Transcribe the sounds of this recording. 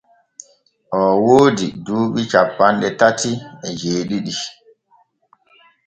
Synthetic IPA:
ʔɔwoːdiduːɓit͡ʃapːanɗɛtatiɛd͡ʒeːɗiɗi

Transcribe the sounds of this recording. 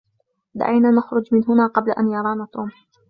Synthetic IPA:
d̪a̰ʕajnaːnaxɾˤʊd͡ʒmɪnɦʊnaːqɑblaʔanjɑɾˤɑːnaːt̪oːm

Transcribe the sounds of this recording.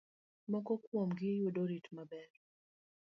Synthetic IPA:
mɔkɔkwɔmɡijudɔɾitmabɛɾ

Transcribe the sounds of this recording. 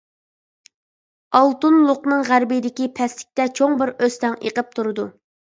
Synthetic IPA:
ɑlˠt̪unlˠʊqnɨŋʁæɾbijd̪ɪkʲipʰɛslɪ̥kʲt̪ɛt͡ʃʰoŋbɪɾøst̪ɛŋḛqəp̚t̪ʰuɾɨd̪u

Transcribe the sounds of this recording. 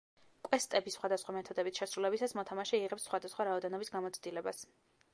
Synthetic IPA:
kʼwɛst̪ʼɛbisχwad̪asχwamɛt̪ʰɔd̪ɛbit̪sʃɛsɾulɛbisasmɔt̪ʰamaʃɛiʁɛpsːχwad̪asχwaɾaɔd̪ɛnɔbisɡamɔt̪sʰd̪ilɛbas

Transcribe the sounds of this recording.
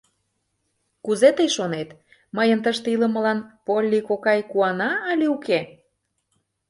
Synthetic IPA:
kuzet̪əjʃonet̪ | məjənt̪əʃt̪ilə̆mə̆lɑnpolʲːikokɑjkuɑnɑəlʲiuke

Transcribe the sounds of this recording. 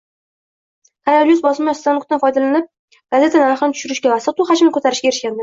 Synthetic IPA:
k̪ʰaɾaljusbɒsɪmst̪anukt̪anfɒjd̪alanɪp̚ | ɡ̥aze̞t̪ʰanaɾɨχɨnɪt̪ʊ̥ʃʊɾɪʃɡʲavasat̪ʊχad͡ʒmnɪkʰot̪ʰaɾɪʃkʲaeɾɪʃkʲand̪ɪ

